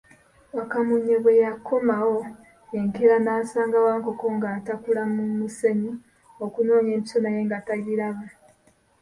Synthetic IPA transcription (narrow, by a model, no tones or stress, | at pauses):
wakamuɲːeβwe̞jakʰːo̞mawo̞ | eŋkeɾanaːsaːŋɡawaːŋko̞ko̞ŋɡaːtakulamumuse̞ɲi | o̞kuno̞ːɲemiso̞najeːŋɡataɡiɾaβa